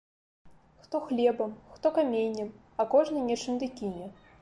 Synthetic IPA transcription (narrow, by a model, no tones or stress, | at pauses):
xt̪ɔxlʲɛbɐmxt̪ɔkamʲejnʲːɐm | akɔʐnɨnʲɛt͡ʂɨnd̪ɨkʲinʲɛ